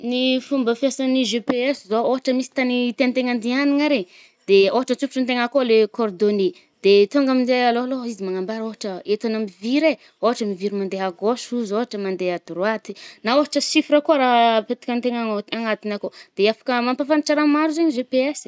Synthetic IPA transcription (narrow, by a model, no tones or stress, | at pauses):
nifumbəfjasaniʒepeɛsizooɦaʈ͡ʂəmisi̥t̪anit̪eant̪eŋand̪ianiŋaɾe | d̪̥eoɦaʈ͡ʂət͡supi̥ʈ͡ʂunt̪eŋakolekord̪oni | d̪̥et̪oŋɡaminzealoaloizimaŋambaɾoɦaʈ͡ʂəet̪anamiviɾe | oɦaʈ͡ʂəmiviɾimand̪eɦaɡosuzoɦaʈ͡ʂəmand̪ead̪uɾwat̪i̥naoɦaʈ͡ʂəsifiɾakoaɾapet̪ḁkant̪eŋaŋaŋat̪inakod̪̥eafḁkəmampafaniʈ͡ʂaɾamaɾuzeɲiʒepeɛs